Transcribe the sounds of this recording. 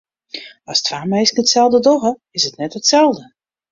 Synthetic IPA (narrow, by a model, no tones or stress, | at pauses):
astʰfaːmɛjsnətsɛlˠdədɔɣə | ɪsətnɛtətsɛlˠdə